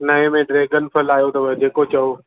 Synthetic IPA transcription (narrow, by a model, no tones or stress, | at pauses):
nɐɦẽmẽɖɾeːɡənpʰəlaːjot̪ɐʋɐd͡ʑeːkot͡ɕɐo